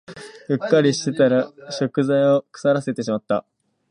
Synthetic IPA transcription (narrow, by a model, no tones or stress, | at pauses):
ɸɯ̟kːaɾʲiɕi̥t̪e̞t̪aɾaɕo̞kɯ̟zaio̞kɯ̟̥saɾase̞t̪e̞ɕimat̪ːa̰